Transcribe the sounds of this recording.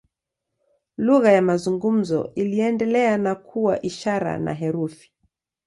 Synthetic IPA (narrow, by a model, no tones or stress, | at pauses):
luɣajamazuŋɡum̩zɔ̰ʔiliɛndɛlɛanakʰuwaʔiʃaɾa̰na̰ɦɛɾufi̥